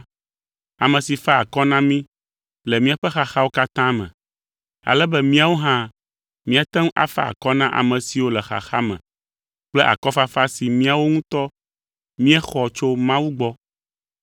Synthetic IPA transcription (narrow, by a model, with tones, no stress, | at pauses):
a˨mɛ̃˨si˨fa˦a˨kɔ˦nã˦mĩ˦ | lɛ˨mĩ˦a˨ɸɛ˦xa˨xa˦wo˦ka˦t̪ã˦mɛ̰̃˨ | a̰˨lɛ˦bɛ˦mĩ˦a˨wo˦ɦã˦ | mĩ˦a˨t̪ɛ̃˦ŋ˦ʔa̰˦fa̰˦a̰˨kɔ˦nã˦ʔa̰˨mɛ̃˨si˨wo˦lɛ˨xa̰˨xa˦mɛ̰̃˨ | k͡plɛ˦ʔa̰˨kɔ˦fa˦fa˦si˨mĩ˦a˨wo˦ŋũ˦t̪ɔ˦ | mĩ˦ɛ˦xɔ˨t͡ʃo˦mã˦wu˦ɡ͡bɔ˦